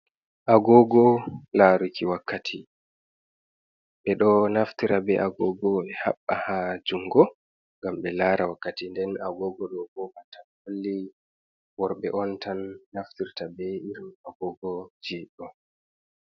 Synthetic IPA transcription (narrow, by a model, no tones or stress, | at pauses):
ʔaɡɔɡɔlaɾukʰiwakʰːatʰi | ɓɛɗɔnaftiɾabɛʔaɡɔɡɔɛha̰ɓːahad͡ʒuŋɡɔ | ŋɡamɓɛlaɾawakːatindɛnaɡɔɡɔɗɔbɔbatanholːi | wɔɾɓɛʔɔntanːaftiɾtabɛiɾmaɡɔɡɔd͡ʒiːɗɔ